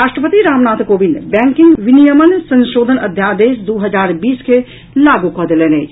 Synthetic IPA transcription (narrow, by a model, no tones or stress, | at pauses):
aːʃʈɾəpət̪iɾaːmnaːt̪koːbɪnbɛ̃ːŋkɪ̃ŋɡʋɪnijəmənsɐ̃nʃoːd̪ʱənɐ̰d̪ʱjaːd̪eːʃd̪oːɦɐzaːɾbiːske | laːɡukad̪ɪleːne